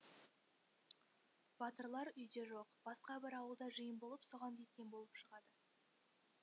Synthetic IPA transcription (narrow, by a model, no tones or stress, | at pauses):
b̥ɑt̪əɾlˠɑɾʏjd̪e̞ʒo̞qb̥ɑsqɑbɪɾɑwəlˠd̪ɑʒəjəmbo̞lˠəpsoʁɑnk̪ʲet̪̚kʲe̞nbo̞lˠəpʃəʁɑd̪ə